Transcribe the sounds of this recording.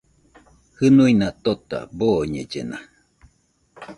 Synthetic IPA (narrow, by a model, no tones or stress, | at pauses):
hɨnuinat̪ot̪a̰boɲed͡ʒḛna